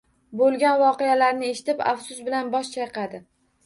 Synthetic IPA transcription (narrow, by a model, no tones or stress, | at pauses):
bolˠɡʲanvɒqejalaɾnɪe̞ʃɪ̥t̪ɪpa̰fsʊsbɪlanbɒʃt͡ʃʰajqɑd̪ɪ